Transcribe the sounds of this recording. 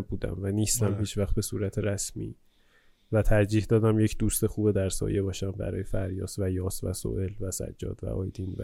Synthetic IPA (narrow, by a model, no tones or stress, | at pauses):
buːd̪æ̰mvæniːst̪æmhiːt͡ʃʰvæxt̪̚be̞suːɾæt̪ʰeɾæsmḭː | væt̪ʰæɾd͡ʒiːhd̪ɒːd̪æmje̞cʰd̪uːst̪e̞xuːbed̪æɾsɒ̰ːje̞bɒːʃæmbæ̰ɾɒ̰ːjefæɾjɒ̰ːsvæjɒːsvæ̰so̰ʔe̞lvæsæ̰d͡ʒːɒ̰ːd̪̥væ̰ʔɒːjd̪invæ̰